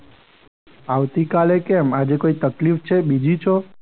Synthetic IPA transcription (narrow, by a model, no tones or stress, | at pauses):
aʋt̪ikalekɛmad͡ʒekoit̪əklift͡ʃʰebid͡ʒit͡ʃʰɔ